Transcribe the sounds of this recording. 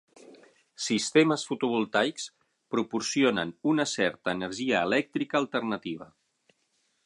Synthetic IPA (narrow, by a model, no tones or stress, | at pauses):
sist̪eməsfut̪uβulˠt̪ajks | pɾupuɾsionə̰nunəsɛɾt̪əːnəɾʒiəːlɛk̚t̪ɾikəːlˠt̪ərnət̪iβ̞ə̰